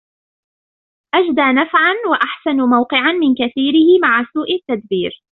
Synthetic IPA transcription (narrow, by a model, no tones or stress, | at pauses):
ʔad͡ʒd̪aːnafʕanwaʔaħsanmawqɨʕanmɪnkaθiːɾɪhɪmaʕasuːʔɪt̪ːad̪biːɾ